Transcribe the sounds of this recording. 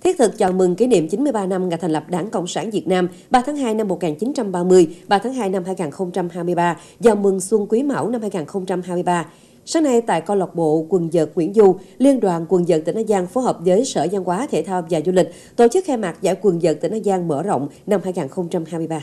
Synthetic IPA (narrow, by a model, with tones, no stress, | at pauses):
t̪ʰi˦˥t̚t̪ʰɨ˨˩k̚t͡ɕɔ̰˧˨˩mɨ˨˩ŋki˨˦nḭ˧˨mt͡ɕi˨˦nmɨ˧əjɓaː˧na˧mŋa̰˧˩jt̪ʰŋlə˨˩p̚ɗaː˨˦ŋkə̰˧˨wŋ͡msaː˧˩nvi˨˩ət̚naː˧m | ɓaː˧t̪ʰaː˨˦ŋɦaː˧jna˧mːo˨˩t̚ŋaː˨˩nt͡ɕi˨˦nt͡ɕa˧mɓaː˧mɨ˧əjɓaː˧t̪ʰaː˨˦ŋɦaː˧jna˧mhaː˧jŋaː˨˩nxə˧wŋ͡mt͡ɕa˧mhaː˧jmɨ˧əjɓaː˧ | zaː˨˩wmɨ˨˩ŋswə˧ŋkwi˨˦ma̰˧˩wna˧mhaː˧jŋaː˨˩nxə˧wŋ͡mt͡ɕa˧mhaː˧jmɨ˧əjɓaː˧ | saː˨˦ŋna˧jt̪a̰ː˧˨jkɔ˧lɔ˨˩wk͡p̚ɓo̰˧˨kwə˨˩nzəː˨˩t̚ːwi˧˩ənzu˧li˧ənɗwa̰ː˧˨nkwə˨˩nzə̰ː˨˩t̚t̪i̟˧˩ʔaː˧jzaː˧nfo˨˦jɦəː˨˩p̚zəː˨˦jsəː˧˩za˧nkwaː˨˦t̪ʰḛ˧˩t̪ʰaː˧wvaː˨˩zu˧lï˨˩k̟̚ | t̪o˧˩t͡ɕɨ˦˥k̚xɛ˧maː˨˩t̚za̰ː˧˩jkwə˨˩nzə̰ː˨˩t̚t̪ḭ˧˩ʔaː˧jzaː˧ŋməː˧˩zə̰˧˨wŋ͡mna˧mhaː˧jŋaː˨˩nxə˧wŋ͡mt͡ɕa˧mhaː˧jmɨ˧jɓaː˧